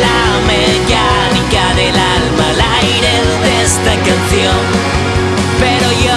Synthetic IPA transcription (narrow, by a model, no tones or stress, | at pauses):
la | me | ʝa | nikaðelalmalajɾe | ðeest̪akanθjon | pe̞ɾo̞ʝo